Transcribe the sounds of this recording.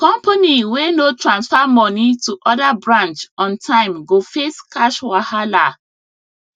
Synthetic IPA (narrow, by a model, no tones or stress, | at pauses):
kɔ̃mpaniwenotʰɹãnsfamɔnituʔɔdabɹãnt͡ʃɔ̃ntʰãɪ̃mɡofeskaʃwahala